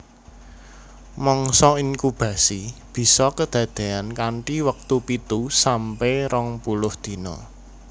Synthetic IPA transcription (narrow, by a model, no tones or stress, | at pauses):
mɔŋsɔiŋkub̥ä̤sib̥i̤sɔkəd̪̥ä̤d̪̥e̤ankaɳʈiwək̚t̪upit̪usampɛɾɔŋpulʊhd̪̥i̤nɔ̰